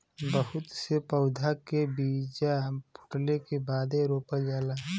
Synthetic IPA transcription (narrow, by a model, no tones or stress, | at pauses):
bəɦʊt̪sepəʊd̪ʱakebiːd͡ʒapʰʊ̥ʈlekebaːd̪eɾoːpəld͡ʒaːlaː